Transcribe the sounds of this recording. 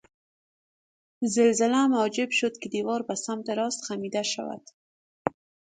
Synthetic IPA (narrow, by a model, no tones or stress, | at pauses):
zɪlzɪlamʊːd͡ʒɪbʃʊd̪kɪd̪iwɒɾbasamt̪ɪɾɔst̪xamid̪aʃa̰wa̰d̪̥